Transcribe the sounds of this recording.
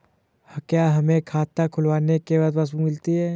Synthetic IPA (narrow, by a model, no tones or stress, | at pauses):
hɐkjaɦɐmẽkʰaːt̪ːakʰʊlwaːnekebad̪bas̬ũmɪlt̪iɦɛː